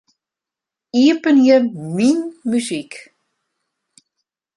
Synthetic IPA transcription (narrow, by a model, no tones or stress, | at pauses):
iəpənjəminmyzik